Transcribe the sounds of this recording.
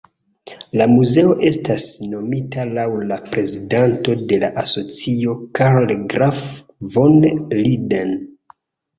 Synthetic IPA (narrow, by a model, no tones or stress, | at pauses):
lamuze̞o̞ʔe̞stasno̞mitalawlapɾe̞zidanto̞de̞laʔaso̞t͡sio̞kaɾolɡɾaf | vonliden